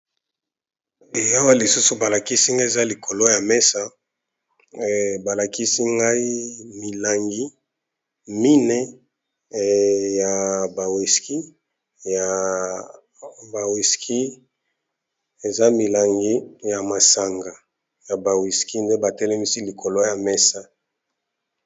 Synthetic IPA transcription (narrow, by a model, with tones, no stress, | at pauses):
e˨ja˦wa˦li˨su˦su˨ba˨la˨ki˦si˦ŋɡa˦e˨za˦li˨kʰo˨lo˦ja˨mɛ˦sa˦ | ba˨la˨ki˦si˦ŋɡa˦i˦mi˨la˨ŋɡi˦ | mi˦nɛ˦ | ja˨ba˨wi˨ski˦ | ja˨ | ba˨wi˨skʰi˦ | e˨za˦mi˨la˨ŋɡi˦ja˨ma˨sa˨ŋɡa˨ | ja˨ba˨wi˨ski˦nde˦ba˨tɛ˦lɛ˦mi˦si˦li˨kʰo˨lo˦ja˨mɛ˦sa˦